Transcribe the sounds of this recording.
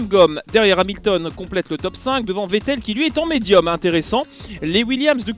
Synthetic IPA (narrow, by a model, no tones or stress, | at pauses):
mɡɔmd̪ɛʁjɛʁamilt̪ɔnkɔ̃plɛt̪lət̪ɔpsɛ̃k̚d̪əvɑ̃vet̪ɛlkʲilɥiɛt̪ɑ̃med̪jɔmɛ̃t̪eʁesɑ̃lewiljamsd̪ək